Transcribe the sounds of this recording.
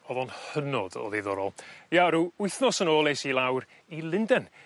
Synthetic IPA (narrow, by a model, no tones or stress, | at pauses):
ɔðɔnhənɔdɔ̰ðiðɔɾɔlˠjaɾuʊɨθnɔsənoːlˠejsilˠawr | ilˠɪndɛn